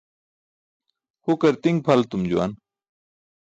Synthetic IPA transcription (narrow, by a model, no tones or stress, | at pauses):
hukɐɾt̪iŋɡ̚pʰɐlt̪umd͡ʑuwa̰n